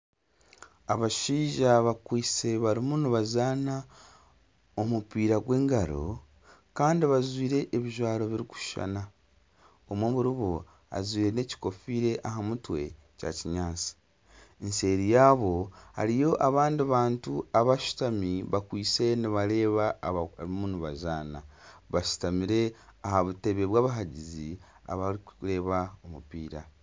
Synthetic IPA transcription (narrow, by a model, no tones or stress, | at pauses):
aβaʃiːʒaβakwiːt͡se̞βaɾimuniβazaːna | o̞mupiːɾaɡwe̞ːŋɡaɾo̞̰ | kaːndiβazwiːɾe̞ʔːβiʒwaːɾo̞βiɾiku̥ʃʃa̰na | omwoβuɾiβo | a̰zwiːɾe̞ne̞ci̥ko̞fiːɾe̞ʔaɦamutwe̞̰ | ca̰ciɲaːt͡si̥ | ense̞ːɾijaːβo̞ha̰ɾijo̞ʔaβaːndiβaːntuaβaʃu̥tamiβakwiːt͡se̞niβaɾe̞ːβaβmunuβazaːnaβaʃu̥tamiɾe̞aɦaβute̞βe̞βwaːβaɦaɟizi | a̰βaɾikɾe̞ːβaomupiːɾa